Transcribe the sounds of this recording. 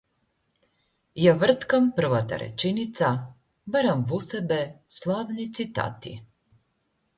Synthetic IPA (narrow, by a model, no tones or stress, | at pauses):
jaʋr̩t̪kampr̩ʋat̪a̰ɾḛt͡ʃinit̪sa | baɾamvusebeslˠaʋnit̪sit̪a̰t̪ḭ